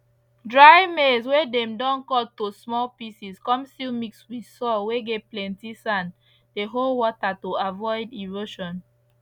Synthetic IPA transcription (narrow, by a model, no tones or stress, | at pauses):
dɹajmeswedɛ̃mdɔ̃nkɔltosmɔlpisiskɔ̃mstilmikswi̥sɔlweɡɛtplɛ̃ntisãn | deɦolwɔtatoavɔɪdiɹoʃɔ̃n